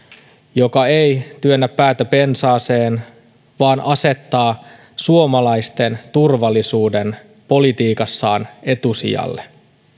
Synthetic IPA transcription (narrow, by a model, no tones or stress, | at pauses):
jo̞kɑejt̪yønːæpːæːt̪æpe̞nsɑːse̞ːn | ʋɑːnʔɑse̞t̪ːɑː | suo̞mɑlɑjst̪e̞nt̪urʋɑlːisuːde̞n | po̞lit̪iːkɑsːɑːne̞t̪usḭɑ̰lːe